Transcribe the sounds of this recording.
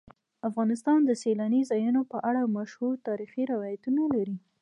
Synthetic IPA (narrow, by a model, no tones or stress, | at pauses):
afɣɑnɪst̪ɑnd̪əselanizɑjunopəʔaɽamaʃhuɾt̪ɑɾixiɾɪwɑjat̪unalaɾi